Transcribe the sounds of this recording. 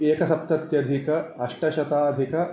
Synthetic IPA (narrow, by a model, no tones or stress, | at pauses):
eːkɐsɐp̚t̪ɐt̪jɐd̪ʱikɐɐʂʈɐʃɐt̪aːd̪ʱikɐ